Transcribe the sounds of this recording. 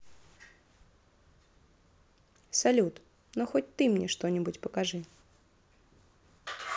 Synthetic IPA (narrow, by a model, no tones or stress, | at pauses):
salʲut̪ | nɔxɔtʲt̪ɨmnʲɛʂt̪ɔnʲibut͡sʲpɐkaʐɨ